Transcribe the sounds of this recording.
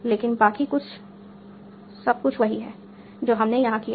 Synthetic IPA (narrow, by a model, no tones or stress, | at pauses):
leːkɪnbaːkikʊt͡ʃʰ | sɐb̚kʊt͡ʃʰʋɐɦiɦɛː | d͡ʒoːɦɐmnejɐɦãki